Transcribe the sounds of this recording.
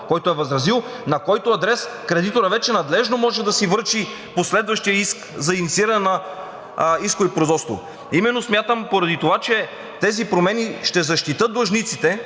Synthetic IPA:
kɔjt̪oɛvɐzɾɐzilˠ | nɐkɔjt̪oɐd̪ɾɛskɾɛd̪it̪oɾɐvɛt͡ʃɛnɐd̪lɛʒnomɔʒɛd̪ɐsivɤɾt͡ʃi | poslɛd̪vɐʃt̪ijəiskzɐinit̪siiɾɐnɛnɐ | iskoipɾozɔt̪st̪vo̰ | imɛnːosmjat̪əmpoɾɐd̪it̪ovat͡ʃɛ | t̪ɛzipɾomɛniʃt̪ɛzɐʃt̪it̪ɤt̪̚d̪ˠɐʒnit̪sit̪ɛ

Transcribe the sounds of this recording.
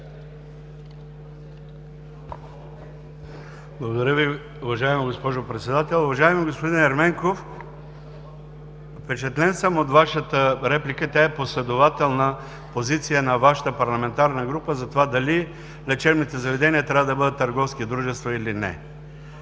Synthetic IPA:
blˠɐɡod̪ɐɾʲjəvi | ʊvɐʒaɛmiɡospɔʒopɾɛt̪sɛd̪at̪ɛlˠʊvɐʒaɛmiɡospod̪inɛɾmɛŋkof | fpɛt͡ʃɛt̪lɛnsəmot̪vaʃət̪əɾɛplʲikət̪ʲaɛposlɛd̪ovat̪ɛlˠnə | pozit̪sijənɐvaʃə̥t̪əpɐɾlˠɐmɛnt̪aɾnəɡɾupəzɐt̪ovad̪ɐli | lɛt͡ʃɛɾnit̪ɛzɐvɛd̪ɛniət̪ɾʲavəd̪ɐbɤd̪ət̪ːɐɾɡɔfskʲid̪ɾuʒɛst̪vɐilinɛ̰

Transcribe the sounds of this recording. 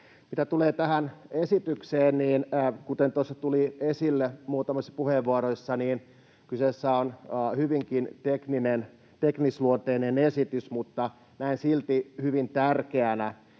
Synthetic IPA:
mit̪æt̪uleːt̪æhænesit̪ykseːnniːnːkut̪ent̪osːɑt̪uliesilːemuːt̪ɑmosːɑ̥puheʋʋuɑɾoisːɑniːn | kysesːæonːhyʋiŋkint̪ekninen | t̪eknisluont̪einenesit̪ysmut̪ːɑ | næinsilt̪ihyʋint̪ærkeænæ

